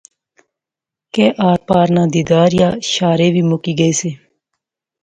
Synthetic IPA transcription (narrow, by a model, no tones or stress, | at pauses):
keːʔaːɾpaːɾnãːd̪iːd̪aːɾjaːʃaːɾeːʋiːmʊkiːɡəeːseː